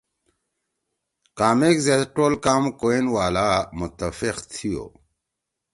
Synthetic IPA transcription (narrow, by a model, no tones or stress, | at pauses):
kaːmekzeʈolkamkoenwaːlamʊt̪ːəfiqt̪ʰijo̰